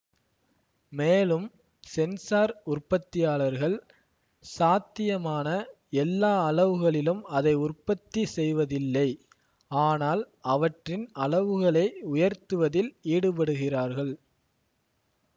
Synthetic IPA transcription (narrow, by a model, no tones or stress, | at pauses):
meːlɯm | sɛnsaːɾʊrpɐt̪ːɪjaːɭɐɾɣɐɭ | saːt̪ːɪjɐmaːnɐ | ɛlːaːɐɭɐʋɯɣɐɭɪlɯmɐðɐɪʊrpɐt̪ːisɛjʋɐðɪlːɐɪ | aːnaːl | ɐʋɐʈrɪnɐlɐʋɯɣɐɭɐɪʊjɐɾt̪ɯʋɐðɪliːɽɯpɐɽɯɣɪraːɾɣɐɭ